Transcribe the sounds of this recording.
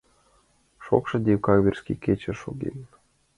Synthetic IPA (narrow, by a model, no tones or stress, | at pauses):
ʃo̰kʃɤ̆d̪ʲiwkɑɣβʲerʲskiket͡ɕĕʃoɡḭn